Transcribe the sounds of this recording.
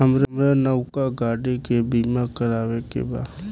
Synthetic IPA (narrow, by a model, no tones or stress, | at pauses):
ɦəmɾmɾanəwkaɡaːɽikebiːmakəɾaːʋekḛba̰ːd̪